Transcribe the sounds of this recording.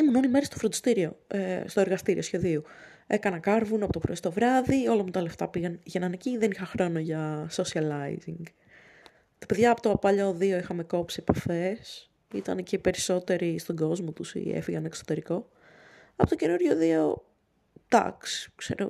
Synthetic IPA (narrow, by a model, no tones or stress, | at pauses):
imunonimeɾɐst̪ofɾond̪ist̪iɾio̞est̪o̞e̞ɾɣɐst̪iɾḭʔo̞sçe̞ðiu | e̞kɐnɐkɐɾvunɐpo̞t̪opɾoist̪o̞vɾɐðio̞lɐmut̪ɐle̞ft̪ɐpiɣɐnʝenɐneciðenixɐxɾo̞noʝɐsosiɐlɐḭziŋɡ | t̪ɐ̥peðʝɐːpot̪oɐpɐʎɐoðioixɐme̞ko̞psipɐfe̞s | it̪ɐ̰ncepe̞ɾiso̞t̪e̞ɾist̪o̞ɡo̞zmot̪usḭḛfiɣɐneksot̪eɾiko̞ | ɐpot̪oce̞nuɾʝoðio̞ | d̪̥ɐ̰ksi̥kse̞̰ɾo̰